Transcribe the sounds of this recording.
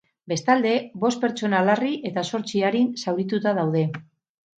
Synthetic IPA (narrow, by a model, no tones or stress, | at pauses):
be̞st̪ald̪e̞bo̞st̪̚pe̞ɾt͡ʃo̞nalariʔe̞t̪aso̞ɾt͡siaɾinsawɾit̪ut̪að̞awð̞e̞